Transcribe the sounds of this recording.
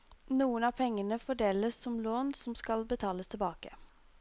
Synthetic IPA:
nuːənɑːpʰɛŋːənəfɔɖeːləsːɔmloːnsɔmskɑlbət̪ʰɑːləst̪ʰɪlbɑːkə

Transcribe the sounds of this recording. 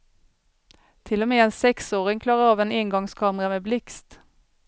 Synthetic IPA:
t̪ʰɪlɔmeːeːnsɛksoːʁɪŋkʰlɑːʁəɑːʋeːnɪŋɡɑŋskʰɑːməʁəmeːblɪkst̪

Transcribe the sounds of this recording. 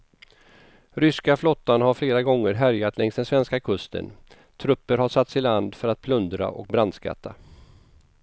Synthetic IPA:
ɾʏskaflɔt̪ːanhaɾfleːɾaɡɔŋːəɾɦæɾjat̪lɛŋsd̪ɛnsvɛnskakʰɵst̪ə̰n | t̪ʰɾɵpːəɾhaʂat̪sɪland̪fœɾat̪̚pʰlɵnd̪ɾa̰ʔɔ̰k̚bɾand̪ska̰t̪ʰːa

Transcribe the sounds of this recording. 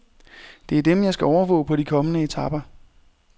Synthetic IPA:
d̥e̝æɐd̥emjɑ̈ɪsɡ̥æɒʊɐʋɔ̰̽ːpʰɒ̽ɾikʰɒ̽mənəe̝t͡sʰɑ̈b̥ɐ

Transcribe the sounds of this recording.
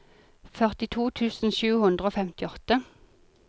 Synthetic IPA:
fœʁt̪ɪt̪ʰuːt̪ʰʉːsn̩ʃʉːhʉnd̪ʁəoːfɛmt̪ɪɔt̪ə

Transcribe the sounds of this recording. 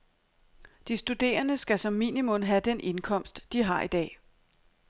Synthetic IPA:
d̥isd̥ud̥e̝̰ːɐnəsɡ̥æsɒ̽mːḭːnimɔ̽nɦæd̥enʔe̝nkʰɒ̽m̰sd̥ːiɦɑ̈id̥ɛ̰ː

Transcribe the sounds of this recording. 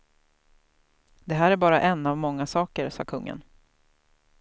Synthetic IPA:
d̪ɛɦæːɾæɾbɑːɾaʔɛnːavmɔŋːasɑːkəɾsɑ̰ːkʰɵŋːə̰n

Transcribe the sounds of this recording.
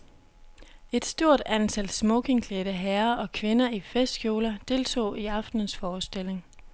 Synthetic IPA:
e̝d̥sd̥o̝ɐ̰d̥ænt͡sʰæl̰smɔkʰe̝ŋkʰleɾ̥əɦɛɐʔɒ̽kʰʋe̝nɐifesd̥kʰjo̝ːlɐd̥e̝lt͡sʰo̝̰ːiɑ̈fd̥nən̩sfɒːsd̥e̝l̰e̝ŋ

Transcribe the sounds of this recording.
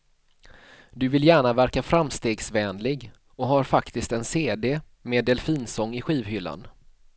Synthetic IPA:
d̪ɵvɪljæːɳavæɾkafɾamst̪eːɡsvɛːnlɪɡ | ɔɦaɾfakt̪ɪst̪ɛnseːd̪eː | meːd̪ɛlfiːnsɔŋːɪɧiːvɦʏlːa̰n

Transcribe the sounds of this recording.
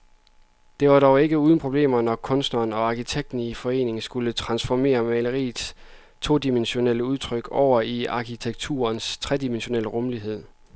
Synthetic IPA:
d̥e̝ʋɑ̈ɾ̥ɒʊe̝ɡ̥əuːðˠn̩pʰʁo̝b̥le̝̰ːmɐnɒkʰɔ̽nsd̥nɐːnɒ̽ɑ̈kʰit͡sʰeɡ̥̚d̥n̩ifɒ̽e̝̰ːne̝ŋsɡ̥ulət͡sʰʁɑ̈nsfɒme̝̰ːɐmæləʁḭːds | t͡sʰo̝̰ːd̥imenɕo̝neləuð̞ˠt͡sʰʁœɡ̥ɒʊ̰ɐiɑ̈kʰit͡sʰeɡ̥̚t͡sʰṵːɐnst͡sʰʁɛd̥imenɕo̝nel̰əʁɔ̽mliɦe̝ð̞̰ˠ

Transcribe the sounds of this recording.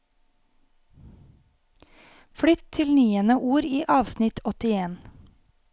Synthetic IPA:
fɽʏt̪ʰɪlnyːənəʔuːɾiːʔɑːʋsnɪt̪ʰɔt̪ɪeːn

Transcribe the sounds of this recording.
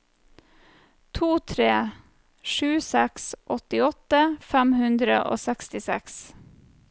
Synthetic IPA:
t̪ʰuːt̪ʰɾeː | ʃʉːsɛksʔɔt̪ɪɔt̪əfæmhʉnd̪ɾə̰ʔo̰ːsækst̪ɪsɛ̰ks

